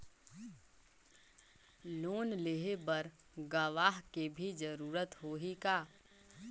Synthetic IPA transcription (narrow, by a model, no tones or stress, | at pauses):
loːnleɦebəɾ | ɡəʋaːɦkebʱid͡ʒəɾuːɾət̪ɦoɦikaː